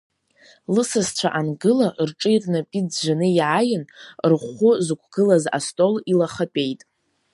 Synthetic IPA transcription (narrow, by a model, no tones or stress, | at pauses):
lɨsast͡ɕʷʰaʔanɡɨlarʈ͡ʂʼɨjrʼnapʼid͡zʒʷanɨjʕajɪnrχʷʊzɨkʷʰɡ̥ɨlaza̰stʼo̞lilaχapʼe̞jtʼ